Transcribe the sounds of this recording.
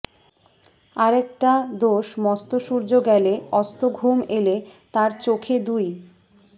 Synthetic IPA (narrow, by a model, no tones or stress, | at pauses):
aɾɛkʈad̪oʃmɔst̪oʃuɾd͡ʑoɡɛleɔst̪oɡʱumelet̪aɾt͡ɕokʰed̪uj